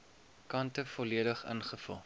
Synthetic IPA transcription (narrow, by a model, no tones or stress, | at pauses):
kɐntəfɔliədəχə̰nχəfə̰lˠ